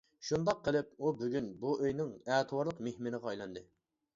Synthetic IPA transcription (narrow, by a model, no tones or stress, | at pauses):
ʃund̪ɑqʰːəlˠɪp̚ubyɡʲynbuøjnɪŋɛːt̪ʰɨwɑɾlˠəqmehmɪnɪɨʁɑɑjlˠɑnd̪ɨ